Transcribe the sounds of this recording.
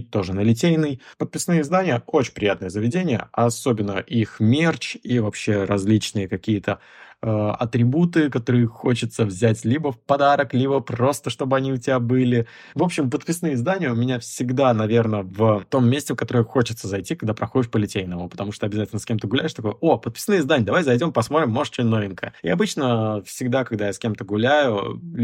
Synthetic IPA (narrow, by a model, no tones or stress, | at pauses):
t̪ːo̞ʐɨnəlʲɪtʲejnɨjpət̪̚pʲɪsnɨjəɪzd̪anʲɪjəot͡ɕɪnʲpɾʲɪjat̪nəjəzəvʲɪdʲenʲɪjə̰ɐso̞bʲɪnːə̰ʔixmʲert͡ɕivɐpɕːe̞ɾɐzʲlʲit͡ɕnɨjəkɐkʲijət̪ʰə | əɐ̰t̪ɾʲɪbut̪ɨkɐt̪o̞ɾɨjəxo̞t͡ɕɪt̪səvzʲætʲlʲibəfpɐd̪aɾəklʲibəpro̞st̪əʂt̪o̞bɨɐnʲiʊtʲɪbʲabɨlʲɪ | vo̞pɕːɪmpət̪̚pʲɪsnɨjəɪzd̪anʲɪjəʊmʲɪnʲafsʲɪɡd̪anɐvʲe̞rnəvət̪o̞mːʲesʲtʲɪfkɐt̪o̞ɾəjxo̞t͡ɕɪt̪səzɐjtʲikɐɡ̚d̪apɾɐxodʲɪʂpəlʲɪtʲejnəmʊpə̥t̪ɐmuʂt̪oɐbʲɪzatʲɪlʲnəskʲemt̪ɨɡʊlʲæɪʂt̪ɐko̞jo̞pət̪̚pʲɪ̥snɨjəɪzd̪anʲɪəd̪ɐvajʲzɐjdʲo̞mɪpɐsmoɾʲɪmːoʂt͡ɕɪno̞vʲɪnkəjəɪɐbɨt͡ɕnəfsʲɪɡd̪akɐɡd̪ajasʲkʲe̞mt̪əɡʊlʲæjʊ